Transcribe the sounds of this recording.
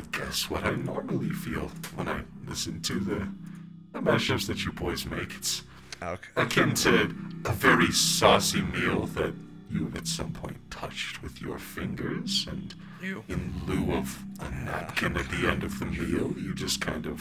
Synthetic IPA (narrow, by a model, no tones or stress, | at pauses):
ɪɡ̥ɛ̰swʌɾaɪnɔɹml̩ˠifḭlˠwə̃naɪlɪsɨ̃ntʰɨðɨ | ðəmɛʃɨpsðɨt͡ʃɨbɔɪzmeɪkɨ̥ts | ɨkʰɪ̃nsʰɛdəvɛɹisɔsimilˠðɨt͡ʃ | ɨ̃nɨtsʌ̰̃mpʰɔ̃ɪ̃ntʰʌ̰t͡ʃt̚wɨðjə̰˞fɪ̃ŋɡə˞z̥ɨ̃n | ɨ̃nlʉʌvə̰næ̰p̚kʰɨ̃nɨt̪̚ðiɛ̃ndʌvðɨmilˠjɨd͡ʒʌskʰãɪ̃ndʌv̥